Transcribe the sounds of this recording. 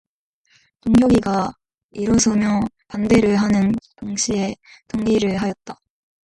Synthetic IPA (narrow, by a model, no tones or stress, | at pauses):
toŋɡjʌɡiɡa | iɾʌsʰɯmjʌ | pande̞ɾɯɭɦanɯnkaŋɕʰie̞toŋɡiɾɯɭɦajʌt̚t͈ḁ